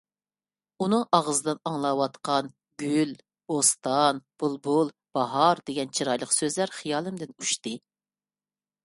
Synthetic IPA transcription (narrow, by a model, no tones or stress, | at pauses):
unɨŋʔɑʁəzɨd̪ɨnɑŋlˠɑwɑt̪qɑn | ɡʲyl | bost̪ɑnb̥ulˠbʊlˠ | b̥ɑɦɑɾd̪eɡʲɛnt͡ʃʰiɾɑjlˠəqsøzlæɾχijɑːlˠɨmd̪ɪnuʃt̪ɨ